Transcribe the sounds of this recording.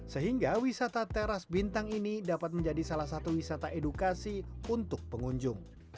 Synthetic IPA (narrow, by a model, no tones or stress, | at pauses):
səɦiŋɡawisat̪at̪eɾasbint̪aŋinidapat̪̚məɲd͡ʒadisalahsat̪uwisat̪aʔedukasiunt̪ʊk̚pəŋuɲd͡ʒʊŋ